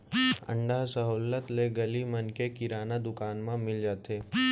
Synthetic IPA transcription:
ə̰̃ɳɖasɐɦoːlət̪leɡɐlimɐnkekɪɾaːnad̪ʊkaːnmãmɪld͡ʒaːt̪eː

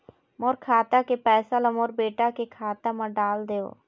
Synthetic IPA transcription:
moːɾkʰaːt̪akepɛːsalɐmoːɾbeːʈakekʰaːt̪amãɖaːld̪eːo̰ː

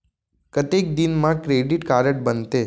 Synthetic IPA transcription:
kət̪ek̚d̪inmãkɾeɖiʈkaɾəʈ̚bənt̪e

